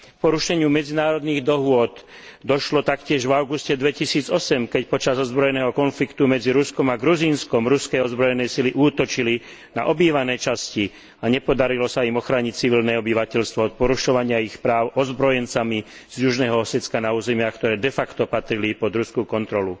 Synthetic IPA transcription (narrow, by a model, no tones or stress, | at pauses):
kkpɔɾuʃɛɲɪumɛd͡zinaːɾɔd̪niːɣd̪ɔɦʊɔd̪ | d̪ɔʃlɔt̪akcɪɛʒvaʊɡuscɛd̪ʋɛcisiːd͡zɔsɛmkɛcpɔt͡ʃazɔzbɾɔjɛnɛːɦɔkɔnflikt̪umɛd͡ziɾuskɔmaɡɾuziːnskɔmɾuskɛjɔzbɾɔjɛnɛjsiliʔuːt̪ɔt͡ʃili | na̰ʔɔbiːʋanɛːt͡ʃasci | aɲɛpɔd̪aɾilɔsaimɔxɾaːɲic̚t͡siʋilnɛːɔbiʋacɛʎst̪ʋɔɔt̪̚pɔɾuʃɔʋaɲɪaixpɾaːʊʔɔzbɾɔjɛnt͡sami | z̥juʒnɛːɦɔɔsɛt͡skanauːzɛmɪakt̪ɔɾɛːd̪ɛfakt̪ɔpat̪ɾilipɔd̪ɾuskukɔnt̪ɾɔlu